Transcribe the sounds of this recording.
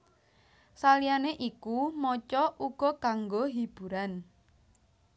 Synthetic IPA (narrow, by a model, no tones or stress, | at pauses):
salijaneʔikumɔt͡ʃɔʔuɡ̥ɔ̤kaŋɡoɦib̥ṳɾan